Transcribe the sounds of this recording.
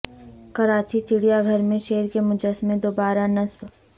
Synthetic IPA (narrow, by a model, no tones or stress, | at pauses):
kɐɾaːt͡ʃit͡ʃɪɽijaɡʱɐɾmẽʃeːɾkemʊd͡ʒəsmẽd̪oːbaːɾanɐsb